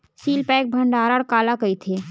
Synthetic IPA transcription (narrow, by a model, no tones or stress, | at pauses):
siːlpɛ̃ːk̚bʱɐ̃ɳɖaːɾaɽkaːlakɐit̪ʰeː